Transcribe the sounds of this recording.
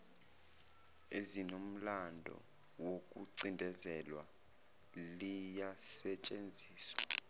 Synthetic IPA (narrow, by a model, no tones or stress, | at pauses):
ezinom̩landʱɔ̰ | wokʼuǀindʱɛzɛlwa | lijasɛt͡ʃʼend͡zʱiːswa̰